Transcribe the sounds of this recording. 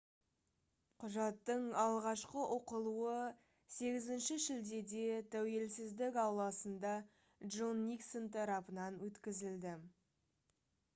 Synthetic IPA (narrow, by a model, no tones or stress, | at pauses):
qʰʊʒɑt̪ːəɴɑlˠʁɑʃqəʔoqəlˠuə | se̞ɡʲɪzɪnʃɪʒɪld̪e̞d̪e̞t̪ʰæwe̞lsɪzd̪ɪkɑwlˠɑsənd̪ɑ | ʒonːiksont̪ʰɑɾɑpənɑnwɵt̪kʲɪzɪld̪ɪ